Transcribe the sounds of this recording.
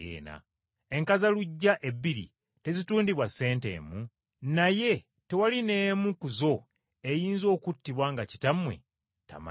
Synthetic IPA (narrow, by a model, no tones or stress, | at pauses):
ḛːna̰ | eŋkazaluɟːaʔe̞bːiɾḭ | te̞zituːndiβwasːe̞ːnte̞̰ːmu | naje̞ | te̞waline̞mukuzo̞ | e̞jiːnzo̞ːkutːiβwaŋɡaci̥tamwe̞̰ | ta̰ma̰